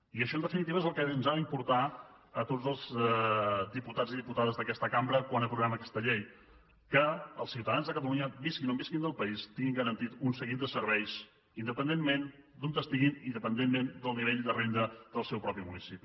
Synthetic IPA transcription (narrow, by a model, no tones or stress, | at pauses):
iəʃɔənd̪əfinit̪iβəezəlˠkɛnzaðəimpuɾt̪a | ət̪od͡zəlˠz | d̪iput̪ad͡ziðiput̪aðəzðəkɛst̪əkambɾəkwanəpɾuβɛməkɛ̥st̪əʎej | kəə̰lˠsiwt̪əðanzðəkət̪əluɲəbiskinombiskind̪əlˠpəist̪iŋɡiŋɡəɾənt̪it̪unsəɣit̪̚d̪əsəɾβɛjs | ind̪əpənd̪emmend̪unt̪əst̪iɣinind̪əpənd̪emmend̪əlˠniβeʎd̪ərend̪əðəlˠsɛwpɾɔpimunisipi